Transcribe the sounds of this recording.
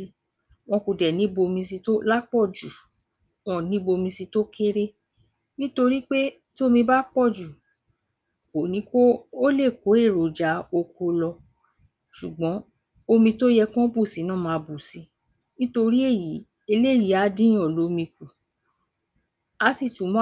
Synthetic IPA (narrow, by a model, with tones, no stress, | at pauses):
i˧ | w̃ɔ̃˧ku˨dɛ˨nĩ˨˦bo˧mĩ˧si˧to˦la˦k͡pɔ˦˨d͡ʒu˨ | w̃ɔ̃˦˨nĩ˦bo˧mĩ˧si˧to˦kʰe˦ɾe˦ | nĩ˦to˧ɾi˦k͡pe˦ | to˦˧mĩ˧ba˦k͡pɔ˦˨d͡ʒu˨ | o˨nĩ˨˦koː˦le˦˨ko˨˦e˦˨ɾo˨d͡ʒa˨˦o˧ko˧lɔ˧ | ʃu˨ɡ͡bɔ̃˨˦ | o˧mĩ˧to˦jɛ˧kɔ̃˦bu˦˨si˨˦nãː˦˨mãː˨˧bu˨si˨˦ | nĩ˦to˧ɾi˦e˦˨ji˨˦ | e˧le˦˨ji˨˦a˨˦dĩ˦ɔ˨lo˨˦mĩ˧ku˨ | a˧˦si˦˨tũ˨˦mɔ̃˦